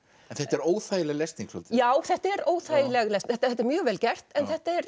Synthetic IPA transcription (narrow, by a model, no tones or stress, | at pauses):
ɛnθɛht̪ɛɾoːwθajɪlɛɣlest̪niŋksɔ̰lt̪jaːwθɛht̪ɛɾoːwθajɪlɛɣlɛst̪θɛt̪θɛt̪ɛɾmjœːɣvɛːlcɛr̥t̪ɛnθɛht̪aɛɾ